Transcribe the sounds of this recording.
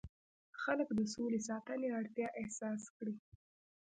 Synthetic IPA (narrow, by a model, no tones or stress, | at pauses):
xaləkd̪əsolesɑt̪əneaɽt̪jɑʔɪhsɑskɽi